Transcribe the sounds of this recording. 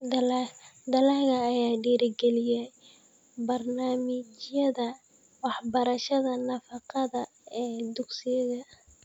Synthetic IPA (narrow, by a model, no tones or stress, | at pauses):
d̪ld̪ɐlaɣɐːjaːɖiːɾɪɡɛlɪjɛ | bɐrnaːmɪt͡ʃjɐðɐ | wɑħbɐɾɐʃɐðɐnɐfɑqɑðɐ | ɛːd̪ʊɡsɪjɐðɐ